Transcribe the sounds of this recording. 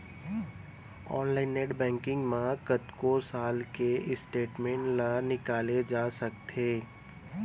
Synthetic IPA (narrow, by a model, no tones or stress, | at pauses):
ɔːnlaːɪnːeːʈbɛ̃ːŋkɪ̃ŋɡmãkət̪kosaːlkeɪsʈeːʈmẽːɳʈlanɪkaːled͡ʒaːsɐk̚t̪ʰeː